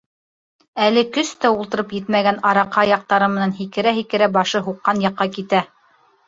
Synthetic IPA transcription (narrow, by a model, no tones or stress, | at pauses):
ælɘkɵst̪æulˠt̪ɤ̆ɾɤpjɘt̪mæɡænɑɾɑqːɑjɑq̚t̪ɑɾɤmɘ̆nænɦikɘ̆ɾæɦikɘ̆ɾæbɑʃɤɦuqːɑnjɑqːɑkit̪æ